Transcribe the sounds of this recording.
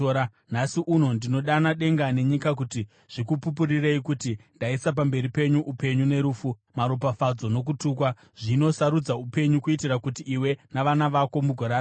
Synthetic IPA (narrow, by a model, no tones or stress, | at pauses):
a | nasiʔuno̞ndino̞ɗanaɗe̞ŋɡane̞ɲikak̬uti | ʐ̥ikupup̬urireikutindaisap̬ambe̞ɾipe̞ɲuʔupe̞ɲune̞ɾuːfumaɾop̬afad͡zo̞no̞k̬utuːk̬wa | ʐ̥ino̞saɾud͡zaupe̞ɲukuitirakutiːwe̞naʋanaʋako̞muɡʱoɾaː